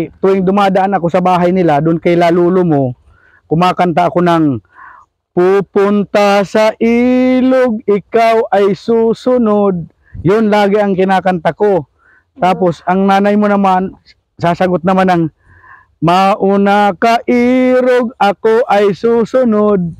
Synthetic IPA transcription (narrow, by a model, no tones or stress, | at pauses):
t̪ʊwɪŋd̪ʊmaːd̪aʔanɐkosɐbaːɦajnɪlad̪ʊʔʊnkajlaːluːlomo | kʊmaːkant̪̬aʔːkonaŋ | puːpʊnt̪asaʔiːloɡ̚ɪkawʔajsuːsʊnod̪̚ | jʊnlaːɡɪɐŋkɪnaːkant̪ako | t̪aːposɐŋnaːnajmonɐman | saːsɐɡʊt̪̚nɐmanɐŋ | maʔunakaʔiːɾoɡ̚ɐkoʔajsuːsʊnod̪̚